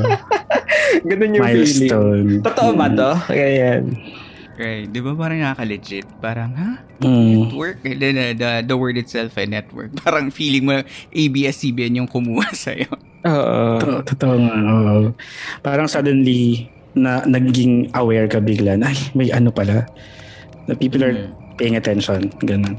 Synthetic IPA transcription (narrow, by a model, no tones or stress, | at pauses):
ɡɐnonjʊmŋajlist̪ownt̪ot̪oʔomɐt̪oɐjan | ɹajt̪̚d̪ɪbapaːɾɐŋnɐkakɐlɛd͡ʒɪt̪̚paːɾɐŋha | ɛt̪wɛɹk̚ʔd̪ɛnɐd̪ɐd̪ɐwɛɹd̪ɪt̪sɛlfɛnɛt̪wɛ̰ɹk̚paːɾɐŋfiːlɪŋmonŋʔejbiːʔɛsiːbɛnjʊŋkʊmuːhɐsɐ̰jo | ʔoːʔoʔt̪ot̪oʔoŋaʔoʔopaːɾɐŋsad̪ɛnli | nɐnɐɡɡɪŋʔɐwɛɹkɐbɪɡlanʔajmɐjʔɐnopɐla | d̪ɐpiːpɔlɐɹ | pejɪ̃ŋɐt̪ɛnʃonɡɐnon